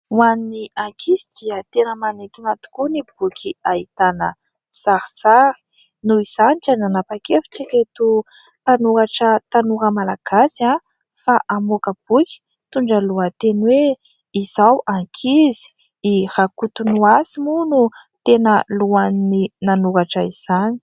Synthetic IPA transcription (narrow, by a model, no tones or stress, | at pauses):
uaniaŋkʰizid̪̥iət̪enəmanet̪inat̪u̥kunib̥ukʰʲiait̪anə | saɾisaɾi̥ | nuiz̥aniʈ͡ʂənanapakefi̥ʈ͡ʂiɾet̪u | panuaʈ͡ʂət̪anuɾəmalaɡ̥asia | faʔamukəb̥ukʲi̥ | t̪uɳɖ͡ʐəluət̪enwe | iz̥awʔaŋkʰizi̥ | ihakut̪unuasimunut̪enəluanninanukaʈ͡ʂəiz̥ani̥